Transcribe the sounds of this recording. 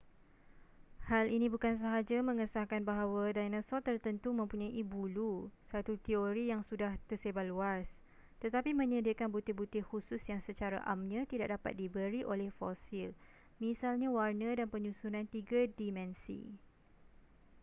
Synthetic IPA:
halinĩbukans̬əɦad͡ʒamə̃ŋəsahkanbaɦawadajnãsɔt̪ərt̪ənt̪umə̃mpuɲaʔibulusat̪ut̪ioɾijaŋsudaht̪ərsebaʔluas | t̪ət̪apimə̃ɲədəkanbut̪ɪhbut̪ɪhususjaŋsət͡ʃaɾa̰ʔamɲãt̪idaʔ̚dapa̰t̪̚dibəɾiʔolɛhfosil | mĩsalɲawarnə̃danpəɲũsunant̪iɡadimɛ̃nsḭ

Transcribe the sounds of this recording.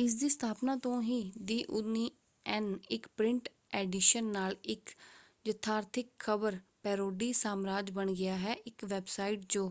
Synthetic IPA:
ɪs̬d̪iːst̪ʰaːpnaːt̪õːɦiːd̪iːʔʊniː | ɛːnɪkpɾɪɳʈ | ɛːɖiːʃənːaːlɪk | ʋət̪ʰːaːɾt̪ʰɪkʰːəbəɾpɛːɾoːɖiːsaːmɾaːd͡ʒbəɳɡɪaːɦɛːʔɪkʋɛːbsaːiʈ̚d͡ʒoː

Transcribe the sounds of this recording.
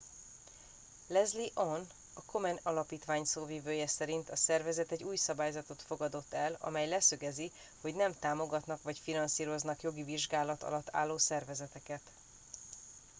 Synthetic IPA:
lɛzliʔon | ɒko̞mɛnɒlɒpiːt̪ʋaːɲsoːviːvøːjɛsɛɾint̪ɒsɛrvɛzɛt̪ɛɟuːjsɒbaːjzɒt̪o̞t̪fo̞ɡɒd̪o̞t̪ːɛlɒ̰mɛjlɛsøɡɛzi | ho̞ɟnɛmt̪aːmo̞ɡɒt̪nɒkʋɒcfinɒnsiːɾo̞znɒkjo̞ɡiviʒɡaːlɒt̪ɒ̰lɒt̪ːa̰ːlːoːsɛrvɛzɛt̪ɛkɛt̪

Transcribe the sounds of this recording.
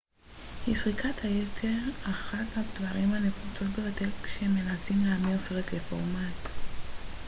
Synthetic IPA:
hisʁikʰathajetʰe̞ʁaχathadvaʁimhane̞fut͡so̞tbejotelkʃeeme̞nasimleːmiʁsoʁetlefoʁmat

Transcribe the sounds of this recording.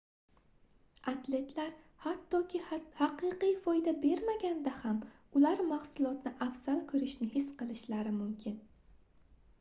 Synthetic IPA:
at̪le̞t̪ʰlaɾ | hat̪ʰːɒkʲʰɪhaqɨqijfɒjd̪abe̞ɾmaɡʲand̪aham | ʊlaɾmahsʊlˠɒt̪nɪʔafz̥alˠkʰɵɾɪʃnɪhɪsqɨlˠɪʃlaɾɪmʊmkʲʰɪn

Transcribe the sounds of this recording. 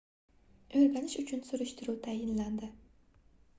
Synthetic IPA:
ɵɾɡʲanɪʃʊt͡ʃʰʊnsʊɾʊʃt̪ʰɪɾut̪ʰajɪnland̪ɪ

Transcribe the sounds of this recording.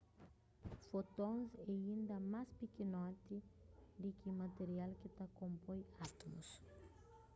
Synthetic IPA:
fot̪õŋzeĩnd̪ɐmaspikinɔt̪id̪ikimat̪eɾialkit̪akõmpojat̪omus

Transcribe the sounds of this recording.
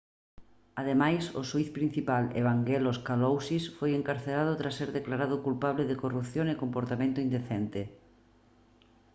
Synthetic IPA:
aðemajsʊ̰suiθpɾin̟θipalḛβaŋɡeloskalowsisfojeŋkaɾθelað̞ʊt̪ɾasːeɾðeklaɾað̞ʊkulpaβ̞lɪðɪkorupθjoŋekompoɾt̪amẽnt̪ʊind̪eθɛnt̪ɪ

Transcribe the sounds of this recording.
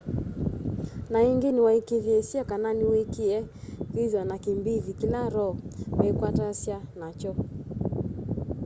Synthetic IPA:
naiŋɡiniwaikiðjɛsiakananiwikiɛkiðiwanakimbiðikilaɾɔmɛikwatasjanat͡ʃɔ

